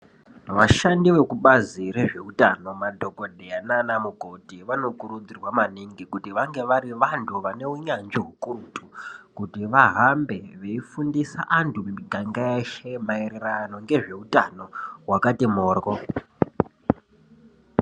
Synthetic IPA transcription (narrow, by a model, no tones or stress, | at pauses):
ʋaʃandiʋe̞kuɓaziɾe̞ʐe̞utano̞madʱo̞ko̞dʱeananamuɡʱo̞tiʋano̞kuɾud͡zirwamaniŋɡikutiʋaŋɡe̞ʋaɾiʋantʰuʋane̞uɲand͡ʒeɦukurutʰukutiʋaɦambe̞ʋe̞ifundisa̰ʔantʰumiɡʱaŋɡaeʃemaeɾerano̞ŋɡe̞ʐe̞utano̞ɦwakatimoːrɣo